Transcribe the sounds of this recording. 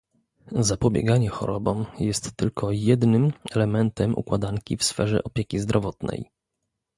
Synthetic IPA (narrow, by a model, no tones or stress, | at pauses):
zapɔbʲjɛ̰ɡaɲɛxɔ̰ɾɔbɔmjɛst̪ːɘlkʰɔjɛd̪nɘmɛlɛmɛnt̪ɛmʔṵkwad̪aŋkʲifsfɛʐɛ̰ʔɔpʲjekʲizd̪ɾɔvɔt̪nɛ̰j